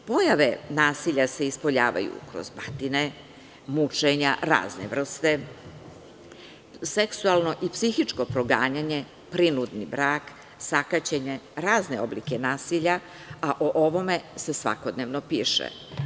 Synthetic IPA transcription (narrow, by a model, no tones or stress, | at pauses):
po̞jaʋe̞naːsiʎase̞ispo̞ʎaːʋa̰jṵkɾo̰zbat̪ine | mut͡ʂeɲaɾa̰ːznḛʋr̩st̪e̞ | seksualˠno̞ʔipsixit͡ʂko̞pɾo̞ɡaːɲaɲe̞ | pɾinud̪nibɾaːk | sakat͡ɕeɲe̞ɾaːzneo̞blḭke̞naːsiʎa | aʔoʔo̞ʋo̞me̞se̞sʋa̰ko̞d̪neʋnopiːʃḛ